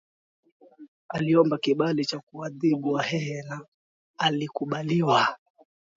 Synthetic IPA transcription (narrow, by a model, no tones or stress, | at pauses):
aliɔmbakiɓalit͡ʃakuaðiɓuwahɛhɛnaː | likuɓaliwa